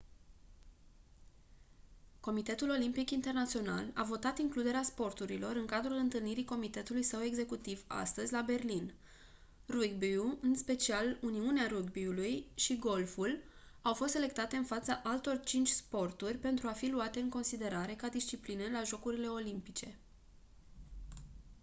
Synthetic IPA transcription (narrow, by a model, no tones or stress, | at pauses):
ko̞mit̪e̞t̪ulo̞limpikint̪e̞rnat̪sio̞na̰la̰vo̞t̪at̪iŋklud̪e̞ɾeaspo̞rt̪uɾilo̞ɾɨŋkad̪ɾulɨnt̪ɨlniɾiko̞mit̪e̞t̪ulujsəwe̞ɡze̞kut̪iva̰st̪əzʲlabe̞rlin | ruɡbiuɨnspe̞t͡ʃialuniuneaɾuɡbiulujʃiɡo̞lfulawfo̞st̪sele̞k̚t̪at̪e̞ɨnfat̪saʔalt̪o̞rt͡ʃint͡ʃʲspo̞rt̪urʲpe̞nt̪ɾuafiluat̪e̞ɨŋko̞nsid̪e̞ɾaɾe̞kad̪ist͡ʃiplinelaʒo̞kuɾile̞o̞limpit͡ʃe̞